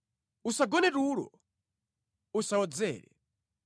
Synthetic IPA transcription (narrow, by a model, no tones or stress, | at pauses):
usaɡɔnɛtulɔ̰ | usaɔd͡zɛ̰ːɾɛ̰